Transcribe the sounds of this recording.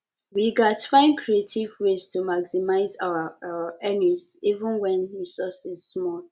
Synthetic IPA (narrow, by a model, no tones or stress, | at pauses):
wiɡatfãɪ̃nkʰɹietʰivwestumaksimaɪza̰waɛnuzivə̃nwɛ̃nɹisɔsizːmɔ